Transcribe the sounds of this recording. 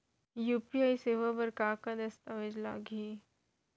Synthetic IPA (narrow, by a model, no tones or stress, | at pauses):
juːpiaːiseʋabəɾkaːkad̪ɐst̪aʋed͡ʒla̰ːɡiː